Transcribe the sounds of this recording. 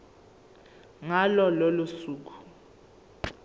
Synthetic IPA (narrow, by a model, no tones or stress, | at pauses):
ŋalɔlolusuːk̬ʰu̥